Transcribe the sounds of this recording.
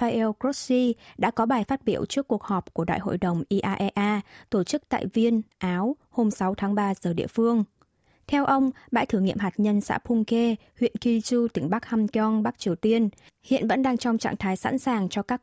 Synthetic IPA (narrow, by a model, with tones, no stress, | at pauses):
fa˧ʔɛ˧wkɹo˦˥t̚si˧ɗa̰ː˧˥kɔ˨˦ɓaː˨˩jfaː˦˥t̚ɓḭ˧˩˨əwt͡ɕɨ˦˥əkːu˨˩ək̚hɔ˨˩p̚ku˧˩əɗa̰ː˧˨jɦo̰˧˨jɗə˨˩wŋ͡mʔi˧ʔaː˧ʔɛ˧ʔaː˧t̪o˧˩t͡ɕɨ˦˥k̚t̪a̰ː˧˨jvi˧ənʔaː˨˦w | ho˧msa˨˦wt̪ʰaː˨˦ŋɓaː˧zəː˨˩ɗḭ˧˨əfɨ˧əŋ | t̪ʰɛ˧wʔə˧wŋ͡mɓa̰ː˧˥jt̪ʰɨ˧˩ŋḭ˧˨əmɦaː˨˩t̚ɲə˧nsa̰ː˧˥pʰu˧ŋ͡mke˧ | hwḭ˧˨ənki˧t͡ɕu˧t̪ï˨˧˩ŋ̟ɓa˦˥k̚ha˧mtɔ˧nɓa˦˥k̚t͡ɕi˨˩əwt̪i˧ən | hḭ˧˨ənvə̰˧˥nɗaː˧ŋt͡ɕɔ˧wŋ͡mt͡ɕa̰ː˧˨ŋt̪ʰaː˨˦jsa̰˧˥nsaː˨˩ŋt͡ɕɔ˧kaː˦˥